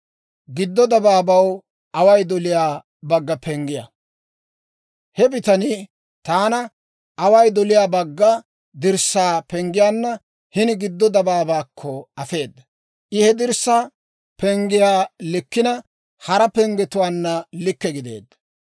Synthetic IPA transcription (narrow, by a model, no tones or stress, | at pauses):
ɡɪd̪ːɔd̪ɐbaːbɐw | ʔɐwɐjd̪ɔlɪjaː | bɐɡːɐpɛŋɡɪja̰ | hɛbɪt̪ɐnɪ | t̪aːnɐ | ʔɐwɐjd̪ɔlɪjaːbɐɡːɐ | d̪ɪɾsːaːpɛŋɡɪjaːnːɐ | hɪnɪɡɪd̪ːɔd̪ɐbaːbaːkʰːɔɐfe̞ːd̪ːɐ | ʔɪhɛd̪ɪɾsːaː | pɛŋɡɪjaːlɪkːɪnɐ | hɐɾɐpɛŋɡɛt̪ʊwaːnːɐlɪkːɛɡɪd̪ḛːd̪ːɐ̥